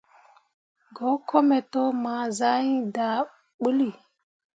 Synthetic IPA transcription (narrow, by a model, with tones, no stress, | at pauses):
ɡo˨˦kʰo˦me˨to˦ma˨za˦i˦da˨ | ɓu˦li˨